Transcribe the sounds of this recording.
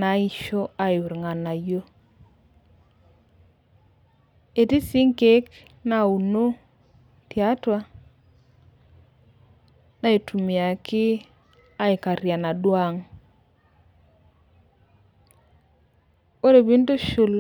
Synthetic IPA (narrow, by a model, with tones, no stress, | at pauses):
na˨˦i˨ʃo˦a˨ju˨ɾŋa˨na˨jo˦ | e˨ti˦si˦ŋke˦k | na˦u˨no˦ | tja˦twa˦ | na˦e˨tʰu˨mja˨kʰɪ˦ | a˦i˨ka˨ɾja˨na˨dwa˦ŋ | o˦ɾe˨bi˦n˦to˦ʃʊ˨l